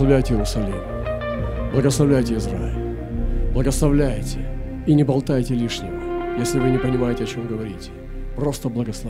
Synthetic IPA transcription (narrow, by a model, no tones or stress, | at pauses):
ɐvlʲæjtʲɪjɪɾʊsɐlʲimʊ | blˠəɡəslˠɐvlʲæjtʲɪɪzɾaɪ̰lʲ | blˠəɡəslˠɐvlʲæjtʲɪ | inʲɪbɐlˠt̪ajtʲɪlʲiʂnʲɪvəjesʲlʲɪvɨnʲɪpənʲɪmajɪtʲɪɐt͡ɕo̞mɡəvɐɾʲitʲɪ̥ | pro̞st̪əblˠɐɡəslˠɐ